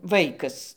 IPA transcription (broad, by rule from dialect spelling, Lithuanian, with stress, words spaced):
ˈʋɐɪkɐs